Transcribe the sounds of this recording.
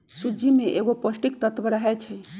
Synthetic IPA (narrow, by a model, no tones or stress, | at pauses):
sud͡ʒimeʔeɡopəsʈik̚t̪ət̪bəɾəɦɛt͡ʃʰɛ